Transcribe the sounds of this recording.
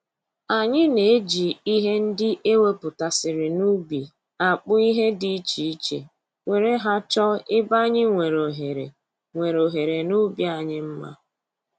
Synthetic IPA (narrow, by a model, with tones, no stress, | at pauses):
a˨ɲɪ˦ne˨e˦d͡ʒi˨i˦ɦe˦n̩˦dɪ˦ʔe˦we˦pʊ˨ta˨sɪ˨ɾɪ˨nu˦bi˨ | a˨k͡pʊ˦i˦ɦe˦di˦t͡ʃi˨i˦t͡ʃḛ˨ | we˨ɾe˦ɦa˦t͡ʃɔ˦ɪ˦ba˦ɲɪ˦ŋʷe˨ɾo˨ɦe˨ɾḛ˨ | ŋʷe˨ɾo˨ɦe˨ɾe˨nu˦bja˨ɲɪ˦m̩˦ma̰˦